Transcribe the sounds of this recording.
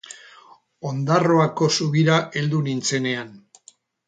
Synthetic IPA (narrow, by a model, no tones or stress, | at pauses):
o̞nd̪aro̞ako̞suɣiɾaʔe̞ld̪unint͡se̞ne̞an